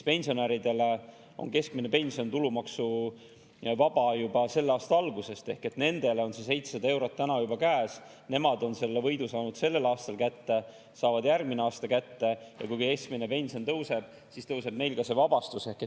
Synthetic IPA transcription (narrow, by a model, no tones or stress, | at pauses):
pe̞nʲsio̞neɾid̪e̞le̞ | o̞̰nke̞skmine̞pe̞nʲsio̞nt̪ulumɑksu | vɑb̥ɑjubɑse̞lːɑːst̪ɑɑlɡuse̞st̪e̞hke̞t̪ne̞nd̪̥e̞leo̞nse̞s̬e̞jt̪ssɑd̪ɑe̞wɾo̞t̪ːænɑjubɑkæːs | ne̞mɑd̪o̞nse̞lːevɤjd̪usɑːnud̪̥se̞lːe̞lɑːst̪ɑlkæt̪ːe̞ | sɑːvɑd̪jærɡmineɑːst̪ɑkæt̪ːe̞jɑ̰kujkuke̞sk̚mine̞pe̞nʲsio̞nt̪ɤwse̞b̥̚ | sist̪ɤwse̞b̥me̞jlkɑse̞vɑb̥ɑst̪use̞hke